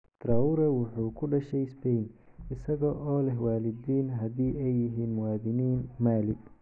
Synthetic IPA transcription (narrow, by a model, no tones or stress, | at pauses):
d̪̥ɾawʊɾɐwʊħuːkʰʊɖɐʃɛjspɛjnɪsɐɣɐʔɔːlɛɦwaːlɪdiːnɦɐðiːɛjːɪɦiːnmʊwaːðɪniːnmaːlɪ